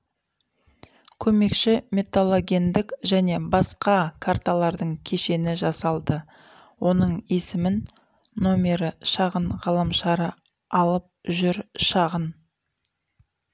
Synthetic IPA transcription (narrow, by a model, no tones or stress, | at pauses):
kʲʰɵme̞kʃɪmʲe̞t̪olˠo̞ɡʲe̞nd̪ɪkʒæne̞bɑsqɑkʰart̪alˠɑɾd̪əɴkʲʰe̞ʃe̞nɪʒɑsɑlˠd̪ə | wʔo̞nəɴe̞sɪmɪnː | o̞mʲe̞ɾəʃɑʁənʁɑlˠɑmʃɑɾə | ɑlˠəp̚ʒʏɾʃɑʁən